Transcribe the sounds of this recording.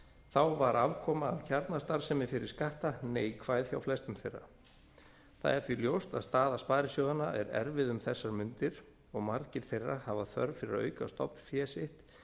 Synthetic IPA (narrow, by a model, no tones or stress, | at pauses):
θawvaɾʔavkʰɔːmaːvçaɾt̪nast̪aɾ̥sɛmɪfɪɾɪɾ̥skaht̪aneːjkʰv̥aːjðçjawflɛst̪ʏmθejrːa̰ | θa̰ðɛɾfiljowst̪a̰ðst̪aːðaspaːɾɪsjowðanaʔɛɾɛ̰ɾvɪðʏmθɛsːaɾmʏnt̪ɪɾ̥ | ɔɣmaɾcɪɾ̥θejrːahavaθœ̰ɾvfɪɾɪɾœ̰ːɥkast̪ɔ̰pnfjɛːsɪht̪